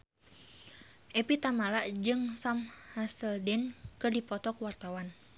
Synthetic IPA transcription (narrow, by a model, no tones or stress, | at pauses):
ʔɛpit̪amalaʔd͡ʒɨŋsamhasəldɛnkɨrdipɔt̪ɔkwart̪awan